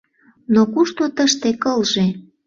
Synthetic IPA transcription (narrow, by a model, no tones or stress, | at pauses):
nokuʃt̪ot̪əʃt̪ekəlʒe